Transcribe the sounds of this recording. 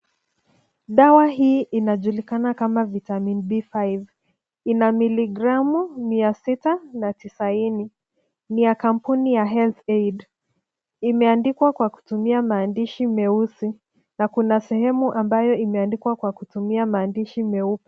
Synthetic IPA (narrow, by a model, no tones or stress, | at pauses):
ɗawaɦiːʔinaʄulikanakamavitaminibifajv | inamiliɡɾamumiasitanatisaini | nijakam̩punijaɦɛlθejd | imɛandikwakwaku̥tumiamaːndiʃimɛusi | nakunasɛhɛmuʔambajɔimɛandikwakwakutumiamaːndiʃimɛupi̥